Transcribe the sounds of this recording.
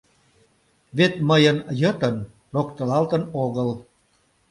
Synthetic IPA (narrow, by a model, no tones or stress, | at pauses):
βet̪məjənjət̪ən | rokt̪əlɑlt̪ənoɣəl